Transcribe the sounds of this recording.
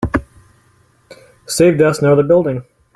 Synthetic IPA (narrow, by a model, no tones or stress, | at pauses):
seɪvdʌsnaʊðəbɪlˠdɪ̃ŋ